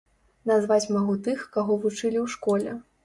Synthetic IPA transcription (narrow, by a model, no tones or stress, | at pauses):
nazvat͡sʲmaɣut̪ɨxkaɣɔvut͡ʂɨlʲiwʂkɔlʲɛ